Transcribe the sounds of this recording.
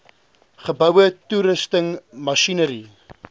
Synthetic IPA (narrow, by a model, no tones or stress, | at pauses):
χəbœwətuɾəstəŋmɐʃinəɾi